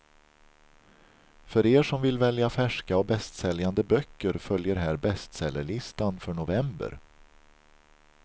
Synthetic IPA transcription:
fœɾeːʂɔmvɪlvɛljafæʂkaɔbɛst̪sɛljand̪əbœkːəɾfœljəɾɦæːɾbɛst̪sɛlːəɭɪst̪anfœɳʊvɛmbə̰ɾ

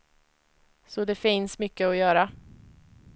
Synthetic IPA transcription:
sɔd̪ɛfɪnsmʏkːəɔjœːɾa

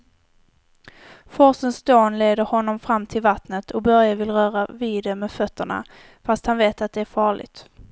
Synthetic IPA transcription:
fɔsənsd̪oːnleːd̪əɾhɔnːɔmfɾamːt̪ʰɪlvat̪nət̪ʰɔkbœɾjavɪlɾœːɾavid̪ɛmɛfœt̪ːəɳa̰ | fast̪hanveːt̪at̪̚d̪ɛæɾfɑːɭɪ̰ɡt̪

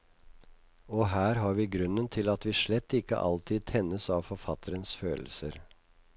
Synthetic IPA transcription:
ɔːɦæːɾɦɑːɾʋiːɡɾʉnənt̪ʰɪlɑt̪ʋiːʂɭɛt̪ːɪkːə̰ʔɑ̰lt̪ʰiːd̪̚t̪ʰɛnəsɑʋfɔɾfɑt̪ʰəɾənsføːll̩səɾ

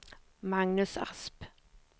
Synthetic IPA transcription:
mɑŋnʉsɑ̰sp

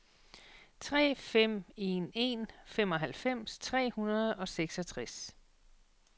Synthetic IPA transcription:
t͡sʰʁɛ̰ːfem̰e̝ne̝nfem̰ɒ̽ɦælfem̰st͡sʰʁɛ̰ːhunɐð̞̩ˠɒ̽seɡ̥sɒ̽t͡sʰʁas

